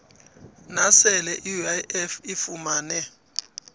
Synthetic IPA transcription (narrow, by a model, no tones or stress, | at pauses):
nasɛlɛʔiuaɛfifumaːnɛ